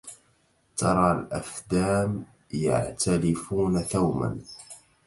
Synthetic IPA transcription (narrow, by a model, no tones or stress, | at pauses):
t̪ʰɑɾˤɑːlʔafd̪aːm | ja̰ʕt̪ʰalɪfuːnaθawma̰n